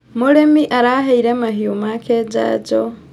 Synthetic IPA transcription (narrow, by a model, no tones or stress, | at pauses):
muɾemiʔaɾaɦaiɾemaɦiumakʰed͡ʒa̰d͡ʒo